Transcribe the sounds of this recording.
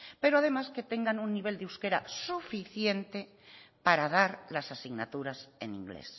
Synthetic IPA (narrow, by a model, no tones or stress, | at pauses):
pe̞ɾoaðe̞maske̞t̪eŋɡanunːiβ̞e̞ld̪euwske̞ɾa̰sufiθje̞nt̪e | paɾað̞aɾlasasiɣnat̪uɾasḛnḭ̃ŋɡlḛs